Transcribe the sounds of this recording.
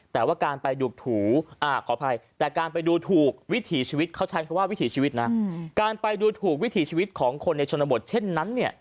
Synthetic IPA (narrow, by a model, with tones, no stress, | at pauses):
t̪ɛː˨˩waː˥˩kaː˧npa˧jduː˨˩k̚t̪ʰuː˩˦ʔaː˧˩kʰɔː˨˦pʰa˧jt̪ɛː˨˩kaː˧npa˧jduː˧t̪ʰuː˨˩k̚wi˦˥t̪ʰiː˩˦t͡ɕʰiː˧wi˦˥t̪̚kʰa˥˩wt͡ɕʰa˦˥nkɔ˧nwaː˥˩wi˦˥t̪ʰiː˩˦t͡ɕʰiː˧wi˦t̪̚na˦˥kaː˧npa˧jduː˧t̪ʰuː˨˩k̚wi˦˥t̪ʰiː˩˦t͡ɕʰiː˧wi˦˥t̪̚kʰɔː˩˦ŋkʰo˧nːa˧jt͡ɕʰo˧nːa˧bo˨˩t̪̚t͡ɕʰe˥˩nːa˦˥nːi˥˩ɐ